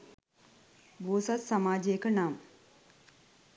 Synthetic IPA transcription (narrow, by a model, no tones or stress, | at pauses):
boːsat̪samaːd͡ʒejəkənaːm